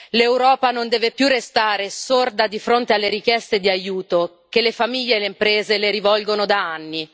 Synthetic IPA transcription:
lewɾɔːpanond̪ɛːvepjurːest̪aːɾesord̪ad̪ifɾont̪ealːeɾik̟jɛst̪ed̪iajuːt̪o | kelːefamiʎːeːlːeimpɾeːzeleɾivɔlɡonod̪aanːi

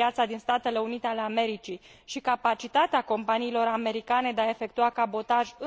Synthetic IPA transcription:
jat̪sad̪inst̪at̪e̞le̞unit̪eale̞ame̞ɾit͡ʃiʃikapat͡ʃit̪at̪eako̞mpaniːlo̞ɾame̞ɾikane̞d̪eae̞fe̞kt̪uakabo̞t̪aʒɨ

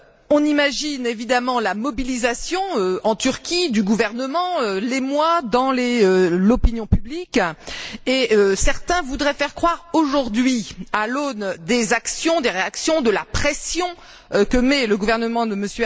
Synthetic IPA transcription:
ɔ̃nimaʒinevid̪amɑ̃lamɔbilizasjɔ̃øɑ̃t̪yʁkʲid̪yɡuvɛʁnəmɑ̃ølemwad̪ɑ̃leølɔpinjɔ̃pyblik | eøsɛʁt̪ɛ̃vud̪ʁɛfɛʁkχwaʁoʒuʁd̪ɥialond̪ezaksjɔ̃d̪eʁeaksjɔ̃d̪əlapχɛsjɔ̃ | kəmɛləɡuvɛʁnəmɑ̃d̪əməsjə

